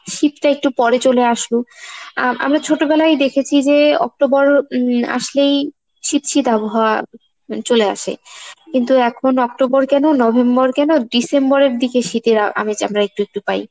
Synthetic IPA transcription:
ʃit̪ʈaek̚ʈupɔɾet͡ɕoleaʃlo | ʔa̰mɾat͡ɕʰoʈobɛlajd̪ekʰet͡ɕʰid͡ʑeɔ̰k̚ʈobɔɾa̰ʃlej | ʃit̪ʃit̪aboɦaoa | t͡ɕolea̰ʃḛkint̪uɛkʰonɔk̚ʈobɔɾkɛnonɔbʱembɔɾkɛnoɖisembɔɾeɾd̪ikeʃit̪eɾaa̰met͡ɕa̰mɾaek̚ʈuek̚ʈupaj

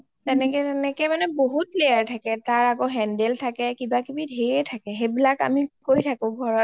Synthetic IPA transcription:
tɛnɛkɛtɛnɛkɛmanɛboɦutlejaɹtʰakɛtaɹaɡɔɦɛndɛltʰakɛkibakibidɦeɛtʰakɛɦebilaka̰mikojtʰakʊ̃ɡʱɔɹɔt̚

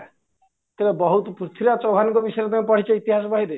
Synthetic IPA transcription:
t̪ebebɔɦut̪ɔpɾut̪ʰiɾat͡ʃɔwɦaniŋkɔbisɔjɾep̪ãpɔɽ̤it͡ʃɔit̪iɦasɔbaɦiɾe

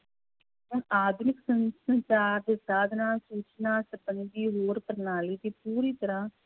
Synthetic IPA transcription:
ɦʊɳaːd̪nɪksənsənt͡ʃaːɾd̪eːsaːd̪naːsuːt͡ʃnaːsəbənd̪iːɦoːɾpəɾnaːliːt̪eːpuːɾiːt̪əɾãː

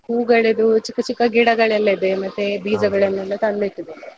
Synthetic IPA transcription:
huːɡɐɭed̪ut͡ʃikːɐt͡ʃikːɐɡiɽɐɡɐɭɐlːɐid̪emɐt̪ːebiːd͡ʒɐɡɐɭenːɐlːɐt̪ɐnd̪iʈ̪ːid̪e

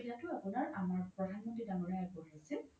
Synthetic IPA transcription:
tatʊapunaɹamaɹpɹɔdʱanmɔntidaŋɔɹajaɡɔɦajsɛ

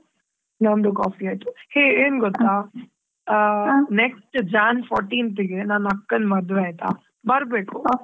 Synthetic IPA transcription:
nɐmd̪ukaːfiaːjt̪uheːeːnɡɔt̪ːaː | neksʈd͡ʒaːnpʰɔːɾʈiːnt̪iɡenaːnɐkːɐnmɐd̪ʋeaːjt̪a̰ː | bɐɾbeːku

